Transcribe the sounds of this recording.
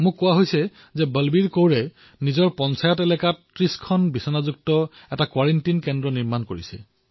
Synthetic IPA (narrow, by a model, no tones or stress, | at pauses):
mʊ̃kːʊwaɦojsɛ | zɛbəlbiɹkowɹɛ | nizɔɹpɔnsajɔtɛlɛkatːɹiskʰɔnbisɔnazuk̚tɔɛtakwaɹɛntinkɛndɔniɹmankoɹisɛ̰